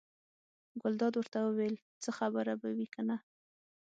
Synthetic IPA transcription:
ɡʊld̪ɑd̪wəɾt̪awəwel | t͡səxabəɾabawikana

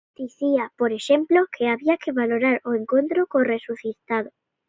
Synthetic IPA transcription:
d̪̥iθiapoɾe̞ʃẽmplokʰeaβiakeβaloɾaɾoeŋkont̪ɾokoresuθit̪að̞o

